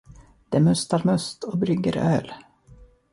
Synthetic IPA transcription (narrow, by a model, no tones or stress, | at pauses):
d̪̥ɛmɵst̪aɾmɵst̪ɔbɾʏɡːə̰ɾø̰ːl